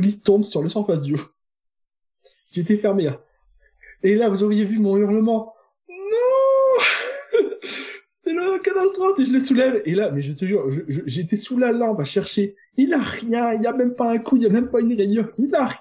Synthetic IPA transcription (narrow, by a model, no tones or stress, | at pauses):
list̪ɔ̃bsyʁləsɑ̃fas̬d̪yo | ʒeːt̪ɛfɛʁme | elavuzoʁjevymɔ̃yʁnəmɑ̃ | nɔ̃ | se̥t̪ɛlɔkat̪ast̪χɔfeʒələsulɛvelamɛʒət̪əʒyʁʒəʒəʒeːt̪esulalɑ̃baʃɛʁʃe | ilaʁjɛ̃iljamɛmpaɛ̃kʰuiljamɛmpaynʁenjɔ̃ilaʁ